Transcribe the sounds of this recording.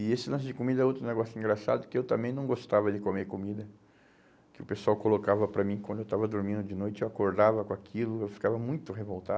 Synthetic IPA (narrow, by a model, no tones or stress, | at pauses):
ɪesɪlɐ̃s̬ʊd͡ʒɪkomid̪ɐɛowt̪ɾʊneɡɔsʊĩŋɡɾasa̰d̪ʊkɪewt̪ɐ̃mbẽj̃nɐ̃w̃ɡost̪avɐd͡ʒɪkomeɾkomid̪ɐ | kɪʊpesuawkolokavɐpɾɐmĩkwɐ̃d̪ʊewt̪avɐd̪oɾmĩnd̪ʊd͡ʒɪnojt͡ʃɪewakoɾd̪avɐkõakʰilʊewfi̥kavɐmũj̃t̪ʊɦevowt̪a